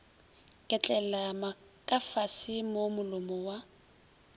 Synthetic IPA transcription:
kʼɛt͡ɬʼɛlama | kʼafasɪmomʊlʊmɔwa

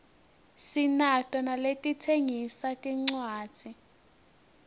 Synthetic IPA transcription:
sinatʼɔnaletʼitʰeŋisatʼiŋ͡ǀwḁːd͡z̥ʱi

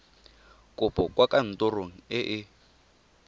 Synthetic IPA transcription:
kʼʊpʰʼɔkʼwakʼan̩tʼɔroŋ̩ɪʔɪ

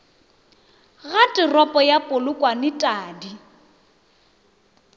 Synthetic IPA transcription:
ɣatʼɪrɔpʼɔjapʼʊlʊkʼwanɪtʼaːdi

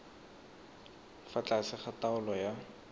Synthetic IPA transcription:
fat͡ɬʼasɪχataʊlɔja

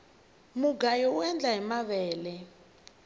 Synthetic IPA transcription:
muɡajɔwɛnd͡ɮʱaɛmaɓɛːlɛ

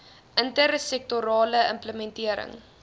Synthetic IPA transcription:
ʔəntəɾsɛk̚toɾɑːləəmpləmɛntiəɾə̰ŋ

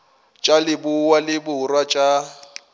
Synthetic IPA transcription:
t͡ʃʼalɪbuwalɪbʊrwat͡ʃʼa

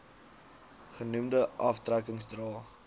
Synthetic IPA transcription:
χənumdəʔɐftrækəŋsdrɑː

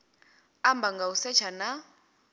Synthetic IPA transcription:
ambaŋɡausɛt͡ʃʰana

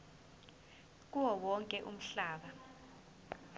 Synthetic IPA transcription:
k̬ʼuwɔwɔŋkʼɛʔum̩ɬaːɓa

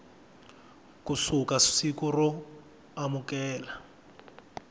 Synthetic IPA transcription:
kusukassikurɔ | amukɛːla

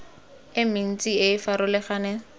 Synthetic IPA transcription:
ɪmɪn̩t͡sʼieɪfaɾʊlɪχaːne

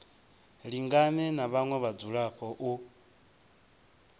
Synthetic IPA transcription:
ɺiŋɡanɛnaβaŋwɛβad͡zuɺaɸʰɔʔu

